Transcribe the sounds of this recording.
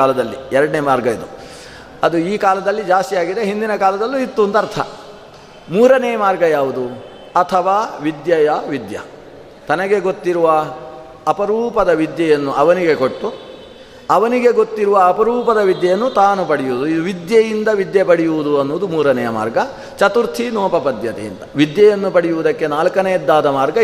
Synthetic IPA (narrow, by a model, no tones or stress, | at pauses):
aːlɐd̪ɐlːiɛɾɐɖɐnemaːɾɡɐjid̪u | ɐd̪uiːkaːlɐd̪ɐlːid͡ʒaːst̪ijaːɡid̪eɦind̪inɐkaːlɐd̪ɐlːuit̪ːund̪ɐɾt̪ʰɐ̰ | muːɾɐnɛjɐmaːɾɡɐjaːʋud̪u | ɐt̪ʰɐʋaːʋid̪jɐjɐʋid̪jɐ̰ | t̪ɐnɐɡe̞ɡo̞t̪ːiɾuʋɐː | pɐɾuːpɐd̪ɐʋid̪jɐjɐnːuɐʋɐniɡe̞koʈːu | ɐʋɐniɡeɡo̞t̪ːiɾuʋɐːpɐɾuːpɐd̪ɐʋid̪jɐjɐnːut̪aːnupɐɽijuʋd̪uid̪uʋid̪jɐjind̪ɐʋid̪jɐpɐɽijuʋud̪uɐnːuʋːd̪umuːɾɐnɛjɐma̰ːɾɡɐ | t͡ʃɐt̪uɾt̪ʰinɔːpɐpɐd̪jɐt̪ɛ̰jḭnt̪ɐʋid̪jɐjɐnːupɐɽijuʋud̪ɐkːe̞naːlkɐnejɛd̪ːaːd̪ɐmaːɾɡɐ